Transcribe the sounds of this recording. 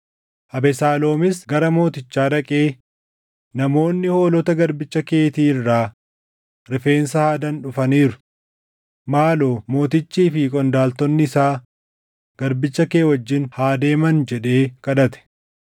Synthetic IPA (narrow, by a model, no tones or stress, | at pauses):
ʔɐbɛsaːlo̞ːmɪsɡɐɾɐmo̞ːt̪ɪt͡ʃːaːᶑɐkʼe̞ː | nɐmo̞ːnːɪho̞ːlɔt̪ɐɡɐɾbɪt͡ʃːɐke̞ːt̪iːɪrːaː | ɾɪfe̞ːnsɐhaːd̪ɐnᶑʊfɐniːɾʊ | maːloːmo̞ːt̪ɪt͡ʃːiːfikʼɔnd̪aːlt̪ɔnːɪɪsaː | ɡ̥ɐɾbɪt͡ʃːɐke̞ːwɐd͡ʒːɪnhaːd̪e̞ːmɐnd͡ʒɛᶑe̞ːkʼɐᶑɐt̪ɛ̥